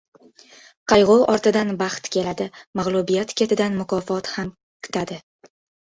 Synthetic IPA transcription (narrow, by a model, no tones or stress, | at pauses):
qʰɑjʁoʔɒɾt̪ɪd̪anbɑχt̪kʲʰe̞lad̪ɪmaʁlˠʊbijat̪kʲʰe̞t̪ʰɪd̪anmʊkʰɒfɒt̪ham | kʰʊ̥t̪ʰad̪ɪ